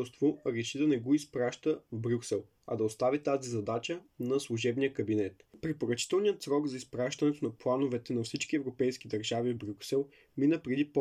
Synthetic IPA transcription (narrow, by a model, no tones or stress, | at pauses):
ɛst̪voɾɛʃid̪ɐnɛɡɔispɾaʃt̪əvbɾʲuksɛlˠ | ɐ̰d̪ɐost̪avit̪azizɐd̪at͡ʃənɐslˠuʒɛbnijəkɐbinɛt̪pɾɛpoɾɐt͡ʃi̥t̪ɛlˠnijət̪sɾɔɡzɐispɾaʃt̪ɐnɛt̪onɐplˠanovɛt̪ɛnɐfsit͡ʃk̟iɛvɾopɛjsk̟id̪ɐɾʒavivbɾʲuksɛlˠ | minəpɾɛd̪ip